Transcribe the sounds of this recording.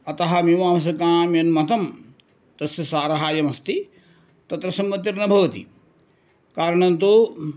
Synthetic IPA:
ɐt̪ɐɦɐmimaːmɐs̬ɐkaːmjɐnmɐt̪ɐm | t̪ɐsjɐsaːɾɐɦaːjɐmɐst̪i | t̪ɐt̪ɾɐsɐmʋɐt̪ːjiɾnɐbʱɐʋɐt̪ḭ | kaːɾɐɳɐnt̪u

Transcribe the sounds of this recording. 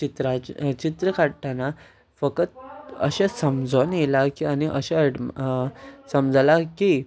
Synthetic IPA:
t͡ɕit̪ɾat͡ɕit̪ɾəkaɽʈʰana | fəkət̪̚ə̰ɕasəmd͡zɔnjelakianiʔəɕeəɽ | səmd͡zalaki

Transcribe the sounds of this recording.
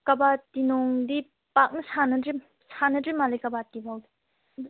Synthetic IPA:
kɐbatinɔŋdi | pak̚nɐsʰanɐdɾi | sanɐdɾimalejkɐbatibawdi

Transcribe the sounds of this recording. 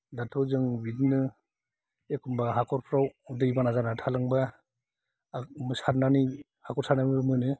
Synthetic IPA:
datʰɔzɯŋbidnɯ | ekʰumbaɦakʰɔɾpʰɾawdɯjbanazanatʰalɯŋba | mɯsaɾnani | hakɔɾsaɾnamibamɯjnɯ

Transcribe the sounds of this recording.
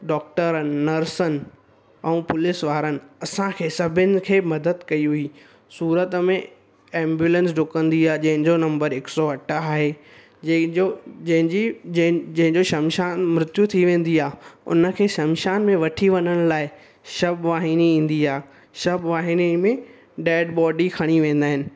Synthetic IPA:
ɖɔːk̚ʈəɾənɪːɐɾsən | ɛ̃ũpʊlɪsʋaːɾənɪ̆ɐsãkʰeːsɐbʱɪnɪ̆kʰeːmɐd̪əd̪kɐiɦʊiː | suːɾət̪əmẽ | ẽːmbjuːlə̃nsɖʊkə̃nd̪iaːɦd͡ʑɐ̃ɦɪ̃ɲd͡ʑonɐ̃mbəɾɪksɔɐʈʰaːɦeː | oɐ̃ɦɪ̃d͡ʑĩd͡ʑɐ̃ɦɪ̃ɲd͡ʑoʃɐmʃaːnmɾʊt̪jut̪ʰiʋẽːn̆d̪iaːɦʊ̰nə̆kʰeːʃɐmʃaːnmẽʋɐʈʰiʋɐnəɽ̃ʊlaːɪ | ʃɐbʋaːɦiniĩːn̆d̪iaː | ʃɐbʋaːɦinimẽ | ɖɛːɖbɔːɖikʰɐɽ̃iʋẽːn̆d̪aːɦɪnɪ̆

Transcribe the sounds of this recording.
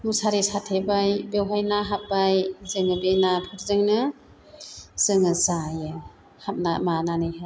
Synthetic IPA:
musaɾesatʰebajbewɦajnaɦap̚bajzɯŋɯbenapʰɯɾzɯŋnɯ | z̥ɯŋɯzajɯ | hap̚namananɯjɦaj

